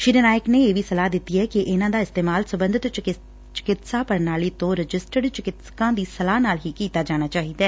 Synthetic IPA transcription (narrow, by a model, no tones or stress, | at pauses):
ʃiːɾənaːjɪkneːeːʋiːsəlaːd̪ɪt̪ːiɛːkɪʔɪnãːd̪aːɪst̪eːmaːlsəbə̃nd̪ɪt̪ | t͡ʃɪ̥kɪt̪saːpəɾnaːliːt̪õːɾɪd͡ʒɪsʈəɖt͡ʃɪkɪt̪skãːd̪iːsəlaːnaːlɦiːkiːt̪aːd͡ʒaːñaːt͡ʃaːɦiːd̪aː